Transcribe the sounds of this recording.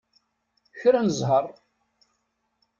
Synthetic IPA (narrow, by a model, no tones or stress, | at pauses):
çɾænəzˤɦərˤ